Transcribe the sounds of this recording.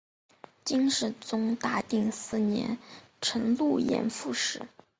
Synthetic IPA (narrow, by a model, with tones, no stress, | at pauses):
t͡ɕi˥ŋʂɻ̩˥˩t͡sʊ˥ŋt̪a˥˧t̪i˥˩ŋsɹ̩˥˩njɛ̰˧˥n | ʈ͡ʂʰɤ˧˥ŋlu˥˩jɛ̰˧˥nfu˥˧ʂɻ̩˥˩˦